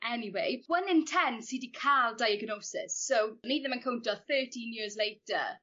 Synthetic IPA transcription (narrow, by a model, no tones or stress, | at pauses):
ʔɛniweɪwʌnɪ̃ntʰɛ̃nsiːdikʰalˠdajəɡnoːsɪ̰sːowniːd̚ðə̃mə̃nkʰõwntəθɜːˑtʰĩnjɪəzleɪtə̰